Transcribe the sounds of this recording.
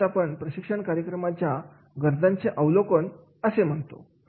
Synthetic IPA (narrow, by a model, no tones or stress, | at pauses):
apəɳpɾəɕikʂəɳkaɾjəkɾəmat͡ɕja | ɡəɾd̪ʱãnt͡seʔəʋlokən | əsem̤əɳt̪o̰